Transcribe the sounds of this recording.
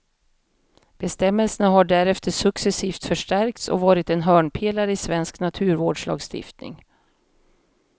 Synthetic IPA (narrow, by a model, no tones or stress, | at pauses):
b̥ɛst̪ɛmːɛlsənaɦaɖæɾɛft̪əʂɵksɛsiːft̪fœʂʈæɾk̚t̪sɔ̰vɑːɾɪt̪ɛnɦœːɳpʰeːlaɾəɪsvɛnsknat̪ʰʉ̟ːɾvoːɖʂlɑ̰ːɡst̪ɪ̰ft̪nɪ̰ŋ